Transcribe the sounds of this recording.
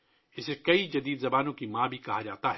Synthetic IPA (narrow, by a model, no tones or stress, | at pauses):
ɪsekɐid͡ʒɐd̪iːd̪zɐbaːnõkimãːbʱikɐɦad͡ʒaːt̪aɦɛ